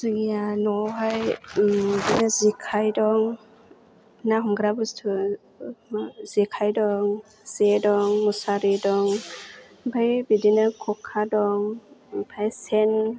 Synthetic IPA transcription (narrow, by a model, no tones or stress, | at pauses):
zɯŋjanɔɦaj | dinazikʰajdɔŋ | naɦumɡɾabust̪ʰu | maz̥ikʰajdɔŋ | z̥edɔŋmusaɾidɔŋ | bʰajbidinakʰokʰːadɔŋpʰajsɛn